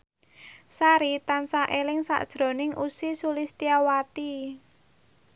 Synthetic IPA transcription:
saɾit̪ansaʔelɪŋsa̰ʔd̥ʒ̥ɾo̤nɪŋʔusisulɪst̪iawat̪i

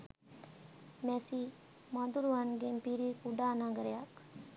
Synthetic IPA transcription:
mɛsi | mad̪uɾʋanɡempiɾikuɖanãɡəɾjak

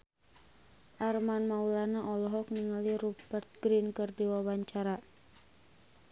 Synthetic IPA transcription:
ʔarmanmaulanaʔɔlɔɦɔkniŋaliɾubərt̪̚ɡɾinkərdiwawaɲt͡ʃaɾa

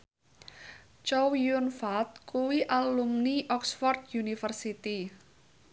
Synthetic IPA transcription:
t͡ʃɔwjunfat̪̚kuwiʔalumniʔɔksfɔrt̪̚junifərsit̪i

